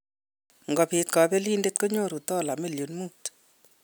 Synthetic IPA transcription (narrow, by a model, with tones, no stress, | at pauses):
ŋɡɔ˨pi˨tka˨pe˦li˦nde˦t̚ko˦ɲo˦˨ɾu˨tɔ˦la˨mi˦˨ljo˨nmuː˦t